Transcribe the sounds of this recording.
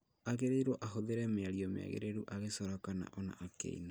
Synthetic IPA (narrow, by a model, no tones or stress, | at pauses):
aɣeɾeiɾwɔʔaɦoðeɾɛmeaɾiɔmḛa̰ɣḛɾeɾuʔaɣesɔɾɔkana̰ʔɔna̰ːkḛḭna